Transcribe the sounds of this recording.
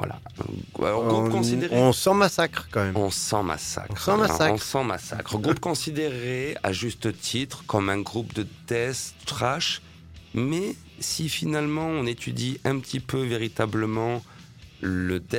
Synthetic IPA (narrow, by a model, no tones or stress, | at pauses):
vwa̰la̰a̰lɔʁɡʁupkɔ̃sid̪eʁ̃sɑ̃masakχkɑ̃mɛmɔ̃sɑ̃ma̰sa̰kχsɑ̃maaɔ̃sɑ̃ma̰sa̰kχɡʁupkɔ̃sid̪eʁea̰ʒyst̪ət̪ʰit̪χəkɔmɛ̃ɡʁupd̪əd̪ɛst̪χaʃ | mɛ | sifinalmɑ̃ɔ̃net̪ʰyd̪iʔɛ̃pət̪ʰipøveʁit̪abləmɑ̃ | ləd̪ɛ